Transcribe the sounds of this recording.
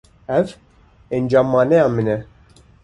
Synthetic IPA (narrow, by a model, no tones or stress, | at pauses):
ɛv | ɛnd͡ʒɑmːɑːnɛjɑmɨnɛ